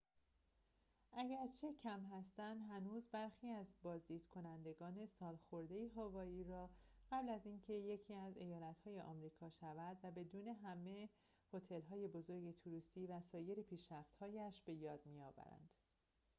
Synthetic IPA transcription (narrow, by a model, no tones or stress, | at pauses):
ʔæɟæɾt͡ʃʰe̞cʰæmɦæst̪ænd̪ɦænuːzbæɾxiːæzbɒːzd̪iːd̪̥kʰo̞nænd̪e̞ɡɒːne̞sɒːlxo̞ɾd̪e̞jiɦɒːvɒːiːɾɒːɢ̥æblæziːncʰe̞je̞cʰiːæze̞jɒːlæt̪hɒːje̞ʔɒ̰ːmɾiːkʰɒːʃævæd̪væbe̞d̪uːne̞ɦæme̞ | ho̞t̪ʰe̞lɦɒːje̞bo̞zo̞ɾɟe̞t̪ʰuɾust̪iːvæsɒːje̞ɾepʰiːʃɾæft̪hɒːjæʃb̥e̞jɒːd̪mijɒːvæ̰ɾæ̰nd̪̥